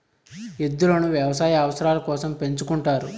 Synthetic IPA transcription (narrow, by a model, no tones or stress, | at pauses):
ed̪ːulɐnuʋjɐʋɐsaːjɐɐʋɐsɐɾaːlɐkɔːsɐmpe̞ɲt͡ʃukuɳʈaːɾu